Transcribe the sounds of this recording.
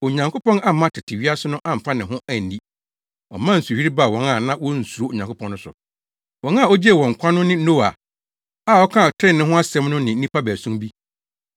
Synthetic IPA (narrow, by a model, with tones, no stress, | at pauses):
o˨ɲã˨ŋkʰo˦pɔ̃˦na˦˨mã˦tʰɪ˨tʰɪ˨ɥi˦a˦sʊ˦nʊ̃˦ʔã˦m̩˨fa˦nɪ̃˨ɦʊ̃˦æ˨n̩˨ĩ˦ | ɔ̰˨mã˦n̩˨su˨hi˦ɾi˦ba˦˨wɔ̃˦na˨nã˦wɔ˦n̩˨su˨o˦˨ɲã˨ŋkʰʊ˦pʰɔ̃˦nːʊ̃˦sʊ̰˨ | wɔ̃˦na˨ɔ˦d͡ʑi˦e˦˨wɔ̃˨ŋ̩˨kʷʰã˦nʊ̃˦nɪ̃˦n̩˦no˦˨a̰˨ | a˨wɔ˦kʰã˦˨tʰɾɪ̃˦˨nːɪ̃˦ɦʊ̃˦a˦sɛ̃˦mnʊ̃˦nɪ̃˨n̩˦ĩ˦pʰa˦bæ˨sũ˦mbi˦